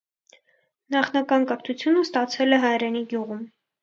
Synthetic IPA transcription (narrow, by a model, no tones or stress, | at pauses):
nɑχnɑkɑnkəɾt̪ʰut͡sʰjunəst̪ɑt͡sʰɛlɛɦɑjɾɛniɡjuʁum